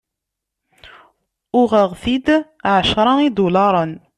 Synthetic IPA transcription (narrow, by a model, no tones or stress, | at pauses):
ʊʁæʁθid̪ | ʕaʃɾˤɑnid̪ulɑɾˤən